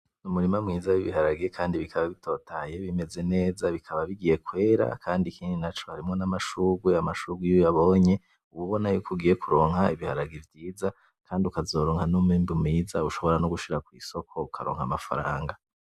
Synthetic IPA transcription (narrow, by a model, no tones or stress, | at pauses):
numuɾimamŋiːzaβiβihaɾaɡiekʰaːndiβikʰaβaβitʰo̞ːtaje̞βime̞ze̞ne̞ːzaβikʰaβaβiɡije̞kwe̞ːɾa̰kʰaːndikʰiːndinat͡ʃo̞haɾimŋo̞namaʃuːɡweamaʃuɡwujojaβo̞ːɲe̞ | uβuβo̞najuːkoɡiːjekuɾo̞ːŋ̥haiβihaɾaɡivjiːza | kʰaːndiukazo̞ːɾoːŋhanumiːmbumŋiːzauʃo̞βo̞ɾanuɡuʃiɾakwḭːso̞kʰo̞ukʰaɾoːŋhamafa̰ɾa̰ːŋɡa